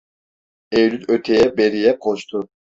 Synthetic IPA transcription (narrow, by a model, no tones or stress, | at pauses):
ejlynøt̪ʰɛjɛbeɾijɛqʰoʃt̪ʰu